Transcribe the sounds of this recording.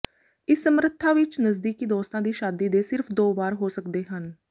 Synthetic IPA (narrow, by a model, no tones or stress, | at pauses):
ɪsːəmɾət̪ʰːaːʋɪt͡ʃnəzd̪iːkiːd̪oːst̪ãːd̪iːʃaːd̪iːd̪eːsɪɾpʰd̪oːbaːɾɦoːsəkd̪eːɦən